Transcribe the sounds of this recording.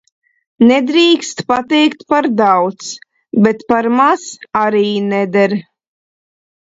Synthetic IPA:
nɛd̪ɾiːkst̪pat̪ɛjkt̪paɾd̪awt̪s | bɛt̪paɾmasaɾiːnɛd̪ɛɾ

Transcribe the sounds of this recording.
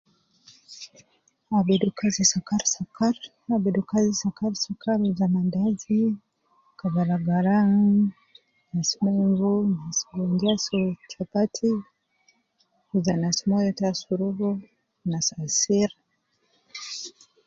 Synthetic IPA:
abɛdukazisakaɾsakaɾ | abɛdukazisakaɾsakʰaɾuzamandazi | kaβalaɡaɾaŋ | nasimɔɱvunasi̥ɡɔnd͡ʒiasɔt͡ʃapatʰi | uzanasimɔjɔtasuɾuβu | nasasiɾ

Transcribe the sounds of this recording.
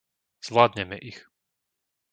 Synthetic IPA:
z̥ʋlaːd̪ɲɛmɛ̰ʔix

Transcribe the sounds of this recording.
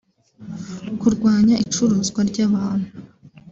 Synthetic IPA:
kuɾɡwaːɲaʔit͡ʃuɾuːzɡwaɾɟaβaːn̥u

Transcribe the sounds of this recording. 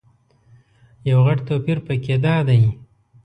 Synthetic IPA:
jawɣaʈt̪opiɾpəked̪ɑːd̪aj

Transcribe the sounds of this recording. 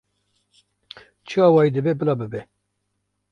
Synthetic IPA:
t͡ʃʰɨɑːwɑːid̪ɨbɛbɨlɑbɨbɛ

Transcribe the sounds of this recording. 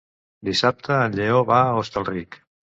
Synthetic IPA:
d̪isap̚t̪əːnʎeoβaəost̪əlˠrik

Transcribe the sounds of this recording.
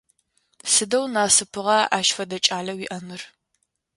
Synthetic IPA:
sɨdɐwnaːsɨpʰɨʁɐaːʃfɐdɐt͡ʃʼaːlɐwiʔɐmɨr

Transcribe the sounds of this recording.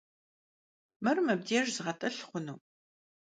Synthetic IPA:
mɨrmɐb̚diɛʒzɨʁɐtʼɐɬχʷʊnuː

